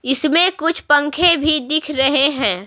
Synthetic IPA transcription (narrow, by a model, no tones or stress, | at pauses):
ɪsmẽkʊt͡ʃʰpə̃ŋkʰebʱid̪ɪkʰɾɐɦeɦɛ̃ː